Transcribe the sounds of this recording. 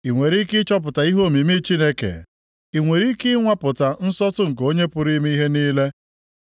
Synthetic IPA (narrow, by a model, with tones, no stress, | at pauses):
i˨ŋʷe˨ɾi˦kɪ˦t͡ʃɔ˦p̬ʊ˨ta˨i˦ɦo˦˨mi˨mi˦t͡ʃi˦ne˦kḛ˨ | i˨ŋʷe˨ɾi˦kɪ˦ŋʷa˦pʊ˨ta˨n̩˦sɔ˦tʊ˦ŋ̩˨k̬o˦ɲe˦pʊ˦ɾi˦mi˦i˦ɦe˦niː˦le˦